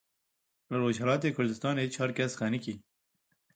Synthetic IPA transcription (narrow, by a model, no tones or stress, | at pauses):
laɾoːd͡ʒɦalɑːt̪̬ekʊɾd̪ɪst̪ɑːnet͡ʃʰɑːɾkasxaniki